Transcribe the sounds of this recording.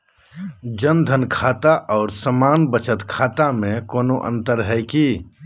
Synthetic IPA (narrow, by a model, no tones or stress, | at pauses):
d͡ʒənd̪ʱənkʰaːt̪aʔɔːɾsəmaːnbət͡ʃət̪kʰaːt̪amẽkoːnoʔə̰̃nt̪əɾɦɛɪki